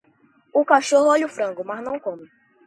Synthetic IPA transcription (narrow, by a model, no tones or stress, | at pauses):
ʊkaʃohʊoʎʊfɾɐ̃ŋɡʊmɐznɐ̃w̃kõmɪ